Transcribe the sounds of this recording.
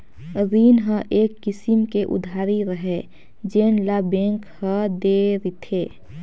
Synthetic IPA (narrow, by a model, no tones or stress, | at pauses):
ɾiːnɦə̃ʔeːkːɪsimkeʔʊ̰d̪ʱaːɾiɾəɦɛ | d͡ʒenlabẽŋkhə̃d̪eɾit̪ʰeː